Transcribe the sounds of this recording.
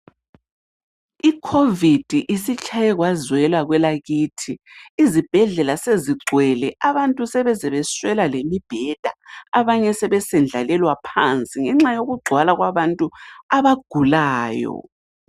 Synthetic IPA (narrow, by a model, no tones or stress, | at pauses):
ikʰovid̥ʱiʔisit͡ʃʰʼajɛɣwazwɛlwaɣwɛlaɣiːtʰiːzib̥ʱɛɮɛlaseziɡ͡ǀʱwɛlɛʔaβantʼusɛβɛzɛβɛswɛlalemib̥ʱɛd̥ʱaaβaɲɛsɛβɛsɛnd͡ɮʱalɛlwapʰant͡sʼiŋɛŋ͡ǁajoɣuɡ͡ǀʱwalaɣwaβantʼuaβaɡ̥ʱulaːjɔ̰